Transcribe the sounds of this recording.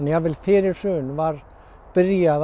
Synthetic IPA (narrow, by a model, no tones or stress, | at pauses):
njavɪlfɪːɾɪɾ̥sʏːnvaɾ | pɪɾjað